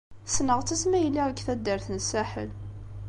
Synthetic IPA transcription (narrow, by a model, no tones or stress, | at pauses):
snəʁt͡sːæsmæjlːiʁəɡθæd̪ːəɾθənsæħə̰l